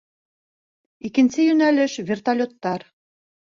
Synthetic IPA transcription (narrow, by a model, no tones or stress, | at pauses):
ikɘ̆nʲsɘjynælʲɘ̆ʃβʲert̪alʲot̪ːɑr